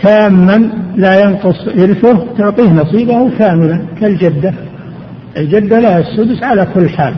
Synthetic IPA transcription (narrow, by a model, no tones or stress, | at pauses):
kaːmːanlajɑnqʊsˤʔɪɾfʊht̪ʊʕt̪ˤiːhnɑsˤiːbahkaːmɪlakɪld͡ʒad̪ːa | ʔɪld͡ʒad̪ːalahasːʊd̪ʊsʕalakʊlːħaːl